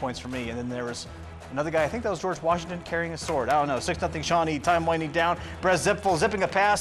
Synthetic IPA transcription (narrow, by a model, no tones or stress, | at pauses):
ɔ̃ɪ̃nsfə˞miɨ̃nðɨ̃nðə˞ʌz | ɨnʌðə˞ɡaɪaɪθɪ̃ŋk̚ðətwʌzd͡ʒɔɹd͡ʒwɑʃɪ̃ŋtɨ̃nkʰɛɹiɪ̃ŋɨ̥sɔɹɾaɪdõʊ̃nːoʊsɪksnʌθɪ̃ŋʃɑnitʰãɪ̃mlãɪ̃nĩdãʊ̃nb̥ɹɛzɪpfl̩ˠzɪpɪ̃ŋɨpʰæs